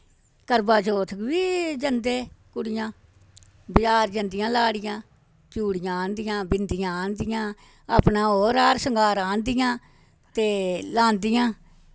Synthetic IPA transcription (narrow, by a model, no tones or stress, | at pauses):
kəɾbaːt͡ʃoːt̪ʰkʋiːd͡ʒənd̪eːkʊɽɪjãː | bɪjaːɾd͡ʒənd̪ɪjãːlaːɽɪjãː | t͡ʃuːɽɪjãːnd̪ɪjãːbɪnd̪ɪjãːnd̪ɪjãː | aːpnãːɦoːɾaːɾsəŋɡaːɾãːnd̪ɪjãː | t̪eːlãːnd̪ɪjãː